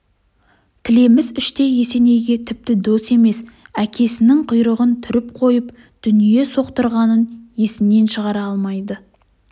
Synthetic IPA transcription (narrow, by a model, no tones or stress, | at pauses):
t̪ʰɪle̞mɪzɪʃt̪e̞je̞se̞ne̞jɡʲe̞t̪ʰɪp̚t̪ɪd̪ost̪e̞me̞sækʲʰe̞sɪnɪŋqʰʊjɾəʁənt̪ʰʏɾɪp̚qʰo̞jəp | d̪̥ʏnije̞so̞qt̪əɾʁɑnənje̞sɪmne̞nʃəʁɑɾɑɑlˠmɑjd̪ə